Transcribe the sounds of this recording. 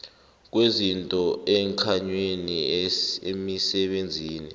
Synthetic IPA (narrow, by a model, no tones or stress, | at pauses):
k̬wezintʼɔɛːŋkʰaɲweniemisɛɓend͡zʱiːni